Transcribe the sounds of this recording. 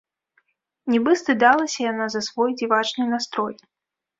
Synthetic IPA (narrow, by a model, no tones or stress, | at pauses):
nʲɛbɨst̪ɨd̪alˠɐsʲɐjanazɐsvɔjd͡zʲivat͡ʂnɨnast̪ɾɔj